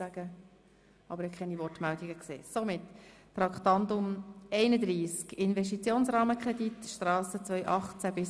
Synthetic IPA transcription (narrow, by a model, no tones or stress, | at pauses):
æɡ̥ə | ʔɑ̰bəɾɛkʰχɛnivɔrtmɛld̪iɡəksḛːsomɪt̪tɾɑkχt̪ɑnd̪ʊmɛɪnəd̪ɾiːskɪnvɛʃ̬tit͡sjoːnsrɑːməkʰɾɛd̪itʃtrɑːsət͡svœʏʔɑχt͡sæbɪs